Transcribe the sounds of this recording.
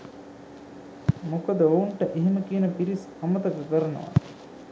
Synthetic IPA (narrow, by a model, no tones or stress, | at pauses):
mokəd̪əouɳʈəʔiɦiməkiːnəpiɾis | ɐmət̪ɐkəkəɾənə̰ʋa̰